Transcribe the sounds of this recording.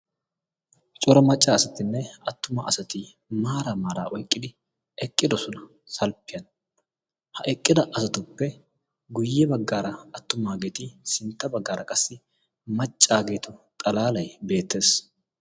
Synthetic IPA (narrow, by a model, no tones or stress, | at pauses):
t͡ʃʼʊɾɐmɐt͡ʃʼːaːɐsɐt̪ɪnːɛɐt̪ːʊma̰ɐsɐt̪ɪ | maːɾamaːɾa̰ːʔɔjkʼːɪd̪ɪ | ɛkʼːɪd̪ɔsɔnɐ | sɐlpːɪjɐn | hɐʔɛkʼːɪd̪ɐʔɐsɐt̪ʊpːɛ | ɡʊjːɛbɐɡːaːɾɐɐt̪ːʊmaːɡeːt̪ɪsɪnt̪ːɐbɐɡːaːɾɐkʼɐsːɪ | mɐt͡ʃʼːaːɡe̞ːt̪ʊt̪ʼɐlaːlɐjbe̞ːt̪ːe̞ːs